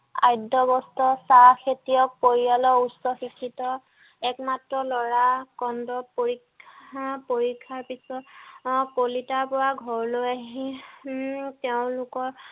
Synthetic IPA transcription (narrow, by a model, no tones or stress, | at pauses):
a̰jdɔbɔstɔsaxʰetijɔk̚poɹialɔusɔxikʰːitɔ | ɛkmatɹɔlɔɹakɔndɔpoɹikʰːapoɹikʰːaɹpisɔtpolitaɹpɔɹaɡʱɔɹlojaɦi | teʊ̃lʊkɔɹ